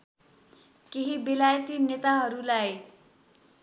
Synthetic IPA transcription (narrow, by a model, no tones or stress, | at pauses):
keɦibelajʌt̪inet̪aɦʌɾulaj